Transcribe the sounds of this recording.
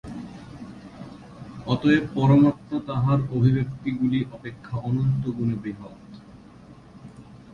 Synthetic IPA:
ɔt̪oepɔɾomoɾt̪ːat̪aɦaɾobʱibekt̪iɡuliʔɔpekʰːaʔɔnont̪oɡunebɾiɦot̪

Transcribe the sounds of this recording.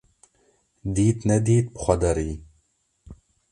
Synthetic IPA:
d̪iːt̪nɛd̪iːt̪̚bɨ̥xʷɐd̪ɐɾiː

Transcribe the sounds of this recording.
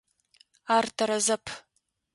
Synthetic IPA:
aːrtʰɐɾɐzɐpʰ

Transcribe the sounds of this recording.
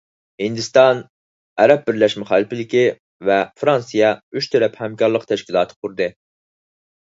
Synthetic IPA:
hind̪ɪst̪ɑn | ɛɾɛp̚bɪɾlɛʃmɪχɑːlˠɪpɪlɪkʲi | vɛfɾɑnsɨjɑyʃt̪ʰɛɾɛphɛmkʲɑɾlˠəqt̪ʰɛʃkʲilˠɑːt̪ʰɨ̥qʰuɾd̪ɨ

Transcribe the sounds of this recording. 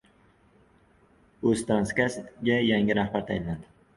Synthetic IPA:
ɵzt̪ʰɾanskʲast̪ɡʲajaŋɪɾahbaɾt̪ʰajɪnnad̪ɪ

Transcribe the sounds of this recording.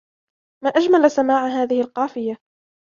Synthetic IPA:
maːʔad͡ʒmalsamaːʕɦaːðɪhɪlqɑːfɪja

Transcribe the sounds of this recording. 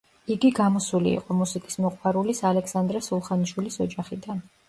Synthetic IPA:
iɡiɡamɔsulḭḭqʼɔmusikʼismɔqʼwaɾulisalɛksand̪ɾɛsulˠχaniʃwilisɔd͡ʒaχid̪an

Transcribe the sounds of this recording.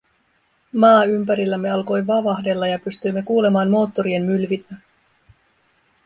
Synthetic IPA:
mɑːympæɾilːæmːe̞ɑlko̞jʋɑʋɑɦde̞lːɑjɑpyst̪yjmːe̞kuːle̞mɑːnmo̞ːt̪ːo̞ɾie̞nmylʋinːæ

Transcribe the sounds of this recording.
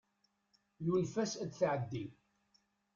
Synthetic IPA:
junfæsæd̪θʕəd̪ːi

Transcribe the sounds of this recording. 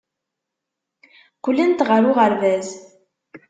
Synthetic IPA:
kʷʊlːænt̪ʁəɾʊʁəɾvæz

